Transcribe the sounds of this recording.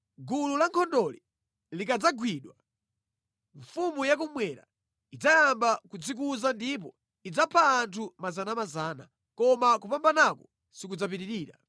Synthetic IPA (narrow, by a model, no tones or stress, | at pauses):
ɡululaŋkʰɔndɔli | likad͡zaɡwiɗwa | ɱfumujak̬umwɛɾa̰ | id͡zajambakud͡zik̬uzandip̬ɔ | id͡zapʰaːntʰumazanamazana̰ | kɔmakupambanakɔ | sikud͡zap̬iɾiɾiːɾa̰